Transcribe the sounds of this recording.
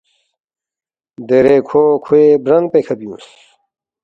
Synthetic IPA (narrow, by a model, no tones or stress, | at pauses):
d̪eɾekʰokʰuebɾɐŋɡpekʰɐbiṵ̃ːs